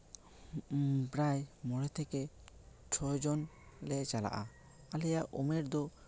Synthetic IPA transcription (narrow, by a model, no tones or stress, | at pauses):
bɾajmɔɽɛt̪ʰɛkɛ | t͡ʃʰɔd͡ʒɔn | lɛt͡ʃala̰ʔa | alɛjaʔɔmɛɾd̪ɔ